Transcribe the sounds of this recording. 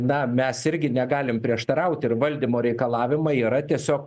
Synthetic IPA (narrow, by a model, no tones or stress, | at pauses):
nɐmʲɛsɪɾʲɡʲɪnʲɛɡɑːlʲɪmpʲɾʲiɛʃt̪ɐɾɐʊt̪ʲɪrʋɐlʲd̪ʲimoːɾʲɛɪkɐlˠɑːʋʲɪmɐiːɾɐt̪ʲiɛsʲoːk̚